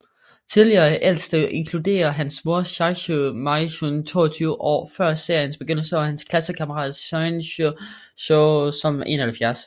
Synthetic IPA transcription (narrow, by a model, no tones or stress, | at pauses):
t͡sʰið̞ˠliɐʔel̰sd̥əʔe̝ŋkʰlud̥e̝̰ːɐɦænsmo̝ɐɕɑɕomɑɕont͡sʰo̝̰ːɐt͡sʰyːʊəʔɒ̰ːfɶɐ̰se̝ɐjənsb̥eɡ̥øn̰l̩səɒhænskʰlæsəkʰɑ̈məʁɑ̰̈ːðˠonɕ | ɕoʊsɒ̽me̝̰ːnɒhæl̩fjæɐs